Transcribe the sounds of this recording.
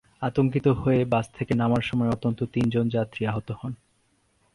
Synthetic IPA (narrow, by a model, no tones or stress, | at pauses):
at̪oŋkit̪oɦoebast̪ʰekenamaɾʃɔmɔeot̪ːont̪ot̪ind͡ʑond͡ʑat̪ːɾiaɦot̪ohɔn